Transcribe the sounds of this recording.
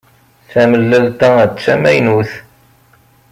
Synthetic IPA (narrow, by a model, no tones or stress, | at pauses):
θæməlːælt̪ææt͡sːæmæjnuθ